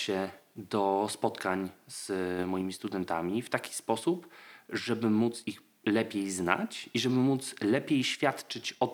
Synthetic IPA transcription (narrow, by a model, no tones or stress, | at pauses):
ɕɛd̪ɔspɔt̪kaɲz̥mɔjimʲist̪ud̪ɛnt̪a̰mʲift̪akʲi̥spɔsupʐɛbɘmut̪six | lɛpʲjejzna̰t͡ɕiʐɛbɘmut̪slɛpʲjejɕfʲjat̪t͡ʂɘt͡ɕɔ